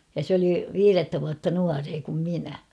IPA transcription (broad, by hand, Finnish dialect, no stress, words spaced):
jɑ sĕ oli ʋiːretːæ ʋuɑtːɑ nuɑreː kum minæ